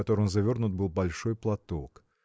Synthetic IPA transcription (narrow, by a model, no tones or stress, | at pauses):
ɐt̪oɾɨnzɐvʲo̞rnʊt̪̚bɨlˠbɐlʲʂojplˠɐt̪ok